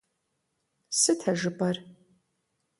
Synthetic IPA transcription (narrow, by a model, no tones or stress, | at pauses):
sɨtʰɐʒɨbɐr